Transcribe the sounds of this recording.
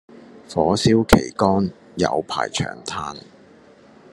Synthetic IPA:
fɔː˨˥siː˥wkʰe˨˩jkɔː˥n | jɐ̰˨˧wpʰa̰ː˨˩jt͡ʃʰœ̰ː˨˩ŋt̪ʰaː˧n

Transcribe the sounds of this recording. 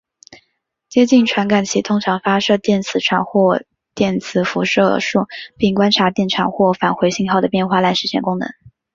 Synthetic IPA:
t͡ɕjɛ˥t͡ɕi˥˩nʈ͡ʂʰwa˧˥nka˨˩nt͡ɕʰi˧˥t̪ʰʊ˥ŋʈ͡ʂʰɑ˧˥ŋfa˥ʂɤ˥˧t̪jɛ˥˩nt͡sʰɹ̩˧˥ʈ͡ʂʰwa̰˧˩˦nxwɔ˥˧ | t̪jɛ˥˩nt͡sʰɹ̩˧˩fu˧˥ʂɤ˥˧ʂu˥˩pi˥˩ŋkwa˥nʈ͡ʂʰa˧˥t̪jɛ˥˩nʈ͡ʂʰɑ˨˩˥ŋxwɔ˥˩fa˨˩nxwe˧˥ɪɕi˥˧ŋxɑ˥˩ʊd̪ə˩pjɛ˥˧nxwa˥˧la˥˧ɪʂɻ̩˥ɕʰjɛ̰˥˩nkʊ˥ŋnɤ̰˧˥˦ŋ

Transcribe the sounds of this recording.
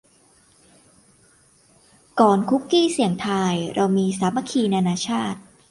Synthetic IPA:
kɔː˨˩nkʰu˦˥kːiː˥˩si˨˩əŋt̪ʰaː˧jɾʔa˧wmiː˧saː˩˦ma˧˩kʰiː˧naː˧naː˧t͡ɕʰaː˥˩t̪̚

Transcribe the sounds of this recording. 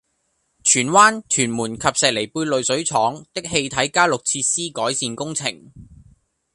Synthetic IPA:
t͡ʃʰyː˨˩nwaː˥nt͡ʃʰyː˨˩nmuː˨˩nkʰɐ˨p̚sɛː˨k̚le˨˩jpuː˧jlɵ˨ɥsɵ˨˥ɥt͡sʰɔː˨˥ŋt̪ɪ˥k̚he˧jt̪ʰɐ˨˥jkaː˥lʊ˨k̚t͡sʰiː˧tsiː˥kɔː˨˥jsiː˨nkʊ˥ŋt͡sʰɪ˨˩ŋ

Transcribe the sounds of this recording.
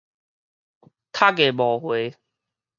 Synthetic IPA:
t̪ʰa˦ke˨˩bɔ˨˩hwe˨˦

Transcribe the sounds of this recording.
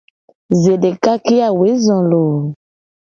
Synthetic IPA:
ze˨de˨ka˦ki˦a˨we˨˦zɔ̃˨lo˨

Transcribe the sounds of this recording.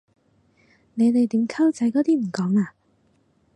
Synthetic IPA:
ne˨˧jt̪e˨jt̪iː˨˥mkʰɐ˥wt͡sɐ˨˥jkɔː˨˧˥t̪iː˥m̩˨˩kɔː˨˥ŋaː˧

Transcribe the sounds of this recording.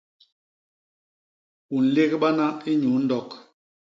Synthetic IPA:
u˨n̩˨le˦kɓa˦na˦i˦ɲu˨˦n̩˦dɔ˦˨k

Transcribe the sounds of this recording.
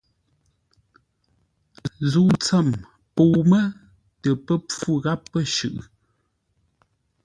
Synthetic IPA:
zu˨t͡sə˦˨m | po˨mə˦ | tə˨pə˦p͡fu˦ɣa˦pːə˦ʃʉ̰˨ʔ

